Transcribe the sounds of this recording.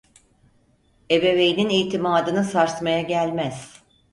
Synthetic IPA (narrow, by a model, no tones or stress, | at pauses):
e̞be̞ve̞jininijt̪ʰimaːd̪ɯnɯsaɾt̪majaɟælʲmæz̥